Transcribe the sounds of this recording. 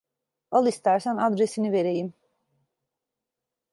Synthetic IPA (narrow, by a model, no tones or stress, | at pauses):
alˠist̪ʰæɾsænad̪ɾesiniveɾejim